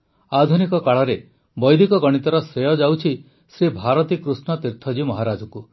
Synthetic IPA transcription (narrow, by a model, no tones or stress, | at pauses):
ad̪ʱunikɔkaɭɔɾe | bɔjd̪ʱikɔɡɔɽ̃it̪ɔɾɔsɾejɔd͡ʒawt͡ʃʰi | sɾibʱaɾɔt̪ikɾusnɔt̪iɾt̪ʰɔd͡ʒimɔɦaɾad͡ʒɔku